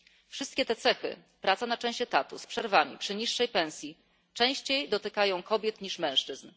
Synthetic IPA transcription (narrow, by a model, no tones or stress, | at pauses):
fʂɘst̪kʲɛt̪ɛt̪sɛxɘ̰ | pɾʔat̪sanat͡ʂɛ̃w̃ɕt͡ɕɛt̪at̪ṵspʂɛɾvamʲḭpʂɘɲiʂːɛjpɛ̃w̃sʲji | t͡ʂɛ̃w̃ɕt͡ɕejd̪ɔt̪ɘkajɔ̃w̃kɔbʲjɛt̪ɲiʂmɛ̃w̃ʂt͡ʂɘzn